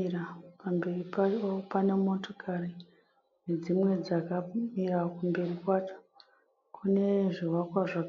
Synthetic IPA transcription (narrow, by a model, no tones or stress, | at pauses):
rapambe̞ripapane̞mo̞tokʰari | ne̞d͡zimwe̞d͡zakamirakumbe̞rikwaːt͡ʃḁ | kʰune̞ʐiwakwaʐak